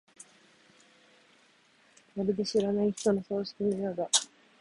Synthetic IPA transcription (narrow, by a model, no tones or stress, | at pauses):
waɾed̪e̞ɕiɾanaiçi̥t̪o̞nosoːɕi̥kʲinajoːd̪a